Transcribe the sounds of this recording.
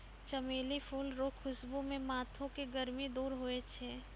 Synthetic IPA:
t͡ʃɐmeːlifʰuːlɾoːkʰːʊsbumẽmaːt̪ʰõkeɡəɾmid̪uːɾɦoet͡ʃʰeː

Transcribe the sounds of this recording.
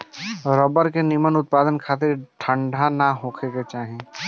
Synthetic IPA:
ɾɔːbəɾkenimənʊt̪̚paːd̪ənkʰaːt̪ɪɾʈʰə̃ɳɖʱanaɦoːkʰeket͡ʃaːɦeː

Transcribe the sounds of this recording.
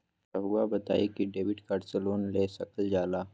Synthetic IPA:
aɦuabɐt̪a̰ːekiɖeːwɪɖkaːɾseloːnleːsɐkəld͡ʒaːlaː

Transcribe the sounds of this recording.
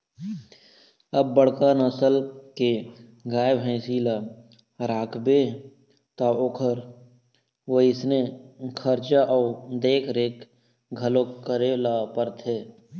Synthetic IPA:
əbːəɽkanəsəlkeɡaːjəbɦɛ̃ːsiːla | ɾaːkʰbe | t̪aokʰəɾ | ʋoɪsnekʰəɾt͡ʃaʔɔːd̪eːkʰɾeːk | ɡʱəlõkəɾelapəɾt̪ʰeː

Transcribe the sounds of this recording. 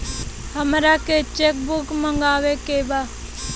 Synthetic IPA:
həmɾaket͡ʃek̚bʊkməŋɡaːʋekeba

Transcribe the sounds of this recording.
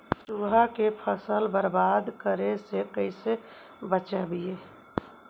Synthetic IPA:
ʈuːɦakepʰəsəlbəɾbaːd̪kəɾesekəɪse | bət͡ʃabijeː

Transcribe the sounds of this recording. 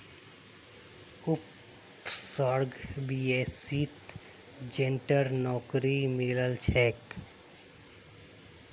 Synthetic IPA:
ʊp | sɔɾɡbieːsit̪ | d͡ʒenʈəɾnɔːkɾimɪləlt͡ʃʰeːk

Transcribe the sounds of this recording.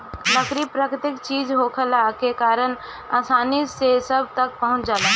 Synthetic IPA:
nəkɾipɾəkɾɪt̪ɪkt͡ʃiːd͡ʒɦokʰəlakekaːɾən | aːsaːnisesəb̚ʱt̪ək̚pəɦʊ̃t͡ʃd͡ʒaːla

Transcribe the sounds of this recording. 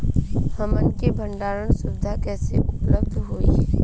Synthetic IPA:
hɐmənkebʱə̃ɳɖaːɾənsʊbɪd̪ʱakɛːsḛʔʊpləbd̪ɦoːḭɦɛː

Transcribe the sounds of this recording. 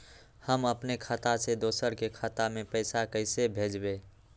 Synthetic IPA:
həməpnekʰət̪ased̪osəɾkekʰət̪amepəɪsakəɪsebʱed͡ʒbe

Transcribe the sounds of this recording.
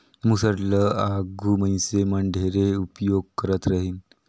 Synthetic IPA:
musəɾləaɡʱuməj̃seməɳɖʱeɾeupjoɡ̚kəɾət̪ɾaɦiːn

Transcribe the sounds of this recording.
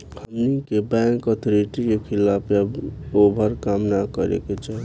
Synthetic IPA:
həmnikebɛŋkɔt̪ʰoɾiʈikekʰilapjaobʱəɾkamnakəɾḛket͡ʃaɦi

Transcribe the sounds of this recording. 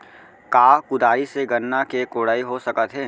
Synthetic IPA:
kaːkʊd̪aːɾiseɡɐnːakekoːɽaːiɦosɐkət̪ɦɛː

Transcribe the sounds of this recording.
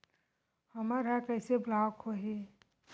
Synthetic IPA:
həmaɾakəjseblawkʰoɦi

